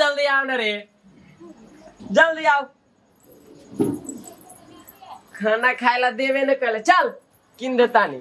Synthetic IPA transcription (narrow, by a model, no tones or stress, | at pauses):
əld̪ijaːwnɐɾe | d͡ʒəld̪ijaw | kʰanakʰaːjlad̪eʋenəkəlet͡ʃɐl | kind̪ət̪anḭ